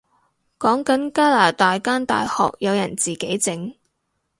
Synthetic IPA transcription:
kɔː˨˥ŋkɐ˨˥nkaː˥laː˨˩t̪aː˨jkaː˥nt̪a̰ː˨jhɔ̰ː˨k̚jɐ˨˧wjɐ˨˩nt͡siː˨ke˨˥jt͡sɪ˨˥ŋ

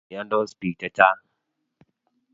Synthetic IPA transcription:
ja˦ndɔ˦spi˨ta˦t͡ʃa˦

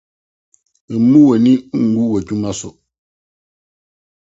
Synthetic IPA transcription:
mu˦wɛ˨ni˦ŋ̩˨ɡu˦wɛ˨tu˦ma˦sɔ˨ʔ

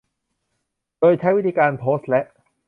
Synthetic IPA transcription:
to˧jt͡ɕʰa˦˥wiː˥t̪ʰiː˧kaː˧npʰoː˦˥slɛ˦˥ʔ̚

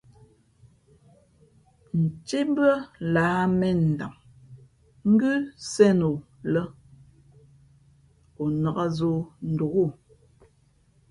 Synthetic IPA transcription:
n̩˨t͡ʃe˦bə˦la˨˦mɛ˦n̩˨da˨ŋ | ŋ̩˦ɡʉ˦sɛ˦˨no˨ | lə˦ | o˨nə˨ɣa˦zo˦n̩˨do˨ɣo˦˨

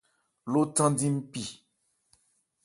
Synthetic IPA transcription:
lo˦tã˦di˦m̩˦pi˨

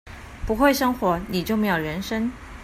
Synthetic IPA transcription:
pu˧˥xwe˥˩ɪʂɤ˥ŋxwɔ˧˥ni˨˩t͡ɕjo˥˩ʊme˥jo˨˩ʊɻə˧˥nʂə˥ŋ

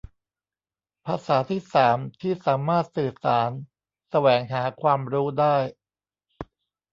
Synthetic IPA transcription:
pʰaː˧saː˩˦t̪ʰiː˥˩saː˩˦mt̪ʰiː˥˩saː˩˦maː˥˩t̪̚sɯː˨˩saː˩˦n | sa˧wɛː˩˦ŋɦaː˩˦kʰwaː˧mɾuː˦˥daː˥˩j

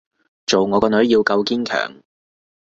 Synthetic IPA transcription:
t͡ʃo˨wŋɔː˨˧kɔː˧nɵ˨˥ɥjiː˧wkɐ˧wkiː˥nkʰœ̰ː˨˩ŋ

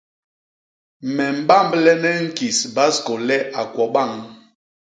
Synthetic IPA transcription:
mɛ˨m̩˨ɓa˦˨m˨blɛ˦nɛ˦ŋ̩˦ki˨sba˦sko˨lɛ˦a˨kwɔ˨ɓa˦˨ŋ

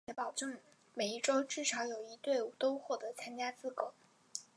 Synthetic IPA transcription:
ɛ˧˥pɑ˨˩ʊʈ͡ʂɤ˥˩ŋ | me˨˩ɪi˥˩ʈ͡ʂo˥ʊʈ͡ʂɻ̩˥˩ʂɑ˧˥ʊjo˨˩ʊi˧˥t̪we˥˩ɪt̪o˥ʊxwɔ˥˩t̪ɤ˧˥t͡sʰa˥nt͡ɕja˥t͡sɹ̩˥˩kɤ˧˩˦ʊ

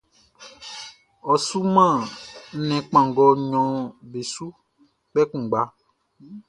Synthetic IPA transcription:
ɔ˨su˦mã˦˨˦nɛ̃˨k͡pã˨ŋɡɔ˨ɲɔ̃˨be˨su˦ | k͡pɛ˦kũ˨ɡ͡ba˦

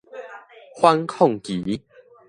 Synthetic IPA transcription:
hwa˦nkʰɔ˥˨ŋki˨˦

